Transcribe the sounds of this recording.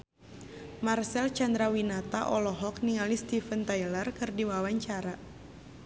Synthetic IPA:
marsɛlt͡ʃand̪ɾawinat̪aʔɔlɔɦɔkniŋalist̪ifənt̪ajlərkɨrdiwawaɲt͡ʃaɾa

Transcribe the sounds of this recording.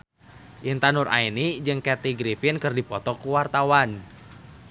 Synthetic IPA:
ʔint̪anurʔa̰inid͡ʒɨŋkɛt̪iɡɾifinkɨrdipɔt̪ɔkuwart̪awan

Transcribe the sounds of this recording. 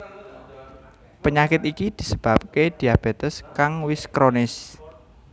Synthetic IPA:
pəɲakɪt̪ikid̪̥i̤səb̥ap̚ked̪̥i̤ab̥et̪əskaŋwɪskɾonɪs

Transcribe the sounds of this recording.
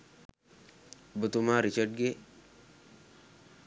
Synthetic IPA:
bət̪umaɾit͡ʃəɖ̚ɡe

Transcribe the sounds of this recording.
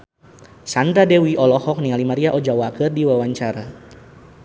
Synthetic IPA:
sand̪ɾadɛwiʔɔlɔhɔk̚niŋalimaɾiaʔɔd͡ʒawakɨrdiwawaɲt͡ʃaɾa

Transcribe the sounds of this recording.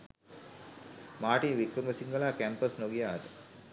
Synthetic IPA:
maːʈiʋikɾəməsiŋɡəlaːkæmpəsnoɡijaːt̪ə

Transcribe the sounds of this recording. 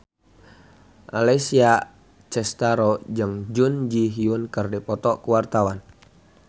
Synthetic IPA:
ʔa̰lesia | t͡ʃɛst̪aɾɔd͡ʒɨŋd͡ʒund͡ʒiɦiunkərdipɔt̪ɔkuwart̪awan

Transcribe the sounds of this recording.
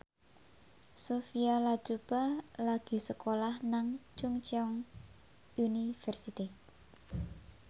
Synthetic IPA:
sofialḁd͡ʒ̥upalaɡ̥i̤səkolahnaŋt͡ʃuŋt͡ʃɔŋ | ʔunifɛrsit̪i

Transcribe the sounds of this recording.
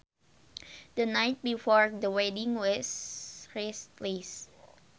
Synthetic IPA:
d̪ənajt̚bifɔɹdəwɛdĩŋwɔsɹestlis

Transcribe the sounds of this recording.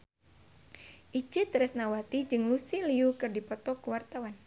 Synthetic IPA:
ʔid͡ʒɨt̪ɾɛsnawat̪id͡ʒɨŋlusiliukɨrdipɔt̪ɔkuwart̪awan

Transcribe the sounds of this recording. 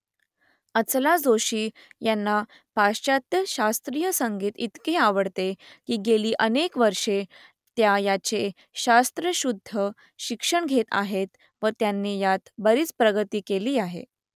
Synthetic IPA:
ət͡slad͡zoɕiː | janːa | paat̪jəɕast̪ɾijəsəŋɡiːt̪it̪keaʋəɽt̪ekiːɡeliːʔənekʋəɾʂe | t̪jajat͡ɕe | ɕast̪ɾəɕud̪ʱːə | ɕikʂəɳɡʱet̪a̰ɦet̪ | ʋət̪janːiːjat̪bəɾiːt͡spɾəɡət̪iːkeliːaɦḛ

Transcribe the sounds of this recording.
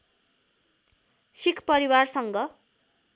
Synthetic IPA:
sikʰpʌɾiwarsʌŋɡʌ

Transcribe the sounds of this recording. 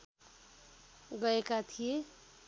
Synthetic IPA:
ɡʌekat̪ʰije

